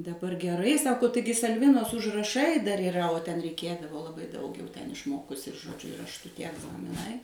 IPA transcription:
dɐˈbɐr ɡʲɛˈrɐɪ ˈsɑːkoː ˈtɐɪɡʲɪ sɐlʲˈʋʲɪnoːs ʊʒrɐˈʃɐɪ dɐr iːˈrɐ oː tʲɛn rʲɛɪˈkʲeːdɐʋoː lˠɐˈbɐɪ dɐʊk jɛʊ tʲɛn ɪʃˈmoːkʊsʲɪ ɪr ʒoːˈd͡ʒʲʊ rɐʃˈtʊ tʲiɛ ɛɡzɐmʲɪˈnɐɪ

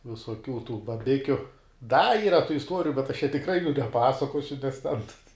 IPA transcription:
ʋʲɪsoːˈkʲuː tuː bɐˈbʲɪkʲʊ dɐ ˈiːrɐ tuː ɪsˈtuɔrʲɪjʊ bʲɛt ɐʃ t͡ʃʲɛ tʲɪkˈrɐɪ juː nʲɛˈpɑːsɐkoːsʲʊ nʲɛs tʲɛn

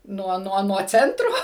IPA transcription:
ˈnuɔ ˈnuɔ nuɔ ˈt͡sʲɛntroː

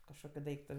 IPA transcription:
kɐʃˈkoːkʲʊ ˈdɐɪktʊ

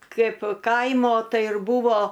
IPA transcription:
ˈkɐɪp ˈkɐɪmoː ˈtɐɪ ɪr ˈbuːʋoː

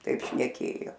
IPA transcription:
ˈtɐɪp ʃʲnʲɛˈkʲeːjoː

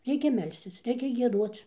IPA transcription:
ˈrʲɛɪkʲɛ ˈmʲɛlʲsʲtʲɪs ˈrʲɛɪkʲɛ ɡʲiɛˈduɔt͡s

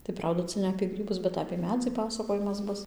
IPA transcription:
tɐɪ ˈprɐʊdɐ ˈt͡sɐ nʲɛ ɐpʲeː ˈɡrʲiːbʊs bʲɛt ɐpʲeː ˈmʲæːd͡zʲiː ˈpɑːsɐkoːjɪmɐs ˈbʊs

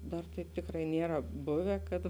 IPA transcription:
ˈdɐr tɐɪp ˈtʲɪkrɐɪ ˈnʲiɛrɐ ˈbʊʋʲɛ kɐt

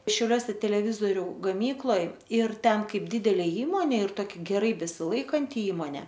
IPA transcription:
ʃʲɛʊˈlʲuɔsʲɛ tʲɛlʲɛˈʋʲɪzoːrʲʊ ɡɐˈmʲiːklˠoːj ɪr ˈtʲɛn ˈkɐɪp ˈdʲɪdʲɛlʲeː ˈiːmoːnʲeː ɪr ˈtoːkʲɪ ɡʲɛˈrɐɪ bʲɛsʲɪˈlˠɐɪkɐnʲtʲɪ ˈiːmoːnʲeː

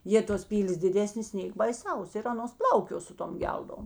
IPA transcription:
ˈjeː toːs ˈpʲiːlʲeːs dʲɪˈdʲæːsʲnʲeːs ˈnʲeːk bɐɪˈsɐʊs ɪr ˈɑːnoːs ˈplˠɐʊkʲoː ˈsʊ ˌtoːm ˈɡʲɛlˠdoːm

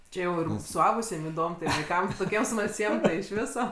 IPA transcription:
ˈt͡ʃʲɛ jɛʊ ɪr sʊˈɐʊɡʊsʲiɛm ɪˈdoːm tɐɪ ʋɐɪˈkɐm toːˈkʲiɛm smɐlʲˈsʲiɛm tɐɪ ɪʃ ˈʋʲɪsoː

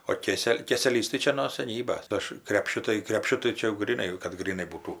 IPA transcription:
oː ˈkʲeːsʲɛlʲ ˈkʲeːsʲɛlʲiːs tɐɪ ˈt͡ʃʲɛ noː sɐˈnʲiːbɐs ˈɐʃ ˈkrʲæːpʲʃʲʊ tɐɪ krʲɛpʲˈʃʲʊ tɐɪ ˈt͡ʃʲɛ jɛʊ ɡrʲiːˈnɐɪ kɐt ɡrʲiːˈnɐɪ ˈbuːtuː

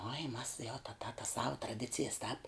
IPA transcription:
oːɪ mɐs jɛʊ tɐ tɐ tɐs sɐʊ trɐˈdʲɪt͡sʲɪjɛs tɑːp

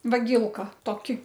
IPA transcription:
ʋɐˈɡʲiːlˠkɐ toːˈkʲɪ

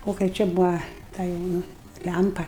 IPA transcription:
ˈoː kɐɪ ˈt͡ʃʲɛ ˈbʊɐ ˈtɐ jɛʊ ˈnʊ ˈlʲæmpɐ

